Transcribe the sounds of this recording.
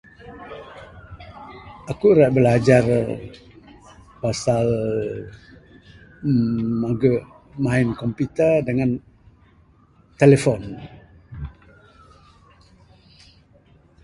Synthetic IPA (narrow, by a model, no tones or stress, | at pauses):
akuɾaʔ̚bəlad͡ʒar | pasal | maɡəʔ | maɪnkɔmpit̪ədəŋan | t̪elefɔn